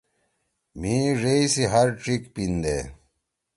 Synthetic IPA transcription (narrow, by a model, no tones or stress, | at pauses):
mĩʐeisiɦɐɾʈ͡ʂikpind̪ḛ